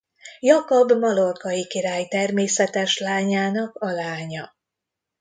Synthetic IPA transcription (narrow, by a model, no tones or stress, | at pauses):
jɒkobmɒlorkɒjikiɾaːjt̪ɛrmeːsɛt̪ɛʃlaːɲaːnɒkɒlaːɲɒ